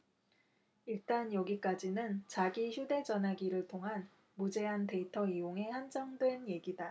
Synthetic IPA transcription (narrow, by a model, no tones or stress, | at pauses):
iɭt͈anjʌɡik͈ad͡ʑinɯnt͡ɕaɡiçjude̞d͡ʑʌnɦaɡiɾɯɭtʰoŋɦan | mud͡ʑe̞ɦante̞itʰʌijoŋe̞hand͡ʑʌŋdwe̞nje̞ɡida